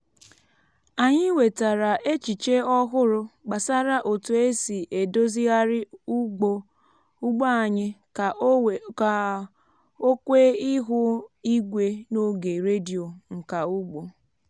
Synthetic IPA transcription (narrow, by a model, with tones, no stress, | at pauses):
a˨ɲɪ˦we˨ta˨ɾa˨ʔe˦t͡ʃi˨t͡ʃe˦ɔ˦ɦʊ˦ɾʊ˦ɡ͡ba˨sa˦ɾa˦ʔo˨tu˨e˦si˨ʔe˨do˦zi˦ɣa˦ɾɪ˦u˦ɡ͡bo˦ | u˦ɡ͡ba˦a˨ɲɪ˦ka˨˦ka˨ | o˦kʷe˦i˦ɦʊ˦i˦ɡʷe˦no˦ɡe˨ɾe˦di˨o˨ŋ̩˨ka˨u˦ɡ͡bo˨